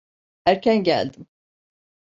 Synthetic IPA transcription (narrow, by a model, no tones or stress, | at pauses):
æɾcʲʰænɟæ̰lʲd̪im